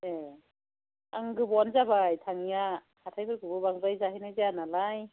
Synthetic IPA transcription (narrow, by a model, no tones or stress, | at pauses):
e | aŋɡɯbɔnzabajtʰaŋja | hatʰajbɯɾkɯbɯbaŋzajzaɦajnajzeanalaj